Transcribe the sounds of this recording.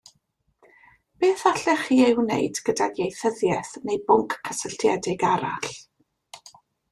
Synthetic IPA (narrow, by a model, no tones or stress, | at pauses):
b̥eːθaɬɛχiːewnḛjdɡ̥ədaɡjejθəðjɛθnejbʊŋkʰːəsəɬtʰjɛdɪɡaɾa̰ɬ